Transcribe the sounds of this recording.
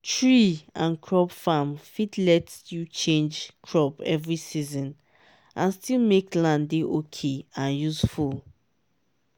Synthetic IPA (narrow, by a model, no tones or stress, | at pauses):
tʰɹiãnkʰɹɔpfamfitlɛtjut͡ʃẽnd͡ʒkʰɹɔpɛvɹisizɔ̃n | ʔãnstilˠmeklãndeʔokʰeãnjusful